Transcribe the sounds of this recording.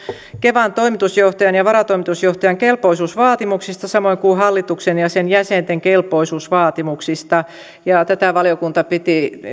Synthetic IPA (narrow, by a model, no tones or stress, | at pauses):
keʋɑnt̪oimit̪usjoht̪ɑjɑnjɑʋɑɾɑt̪oimit̪usjoht̪ɑjɑŋkelpoisuːsʋɑːt̪imuksist̪ɑsɑmoiŋkuhɑlːit̪uksenjɑsenjæsent̪eŋkelpoisuːsʋɑːt̪imuksist̪ɑ | jɑt̪æt̪æˑʋɑljokunt̪ɑpit̪i